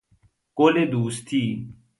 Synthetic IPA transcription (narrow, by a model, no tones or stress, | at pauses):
koːleːd̪uːst̪ʰiː